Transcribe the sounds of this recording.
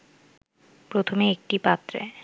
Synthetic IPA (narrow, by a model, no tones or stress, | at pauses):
pɾot̪ʰomeek̚ʈipat̪ːɾḛ